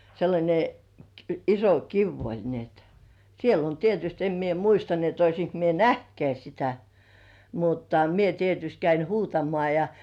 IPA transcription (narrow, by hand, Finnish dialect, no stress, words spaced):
selːɑnʲe iso kiʋ olʲ ni et siel olʲ tietyst em mie muistɑ ni et oisiŋk mie næhtkeæ sitæ mutːɑ mie tietyst kæin huːtɑmoɑˑ jɑ